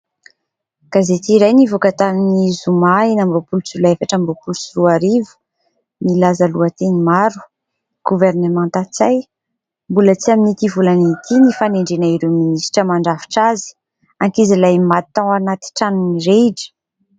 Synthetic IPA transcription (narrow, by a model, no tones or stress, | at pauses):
ɡ̥azet̪iːɾajnivukət̪aminizumainambopulut͡sulefaʈ͡ʂambopulut͡suɾuaɾivu̥ | milazəluat̪enimaɾu̥ | ɡ̥uvernemãnt̪at͡saj | mbulət͡siaminit̪ivulaniit̪ʰinifaneɳɖ͡ʐenaiɾuminisʈ͡ʂəmaɳɖ͡ʐafi̥ʈ͡ʂazi̥ | aŋkizilajmat̪ːãwanat̪i̥ʈ͡ʂanuniɾeɖ͡ʐi̥